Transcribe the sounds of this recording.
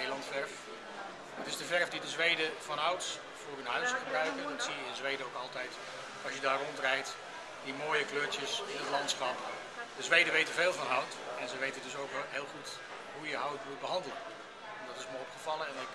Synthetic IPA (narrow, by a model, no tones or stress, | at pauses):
ejlɑntfɛrf | dɑtɪzdəvɛrvdidəzʋejdəvɑnʌwts | vʊːrɦənɦœɥsχəbrœɥkəndɑtsijəɪnzʋejdəowkɑlˠtɛjt | ɑlˠsjədaːrɔntrɛjt | dimoːjəkløːɹtjəsɪ̃nətlɑntsχɑp | dəzʋejdəʋejtəveːlˠvɑnɦʌwtɛnzəʋejtəndɵsowkʋɛlˠɦɪːlˠχut | ɦujəɦawtmud̚bəɦɑndələn | ɛndɑtɪsməjɔpχəvɑlˠəɛnɪk